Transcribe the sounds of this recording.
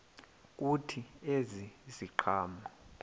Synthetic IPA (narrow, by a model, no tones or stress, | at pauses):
k̬ʼutʰieziziǃʰaːma